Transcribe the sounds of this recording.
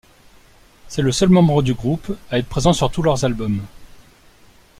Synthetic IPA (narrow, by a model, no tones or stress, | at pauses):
sɛləsœlmɑ̃bʁəd̪yɡʁupaɛt̪pχezɑ̃syʁt̪ulœʁzalbɔm